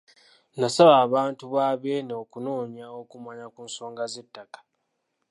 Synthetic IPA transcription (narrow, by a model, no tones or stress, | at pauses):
nasaβaːβaːntuβaːβe̞neokuno̞ːɲao̞kumaɲakuːnso̞ːŋɡaze̞tːakḁ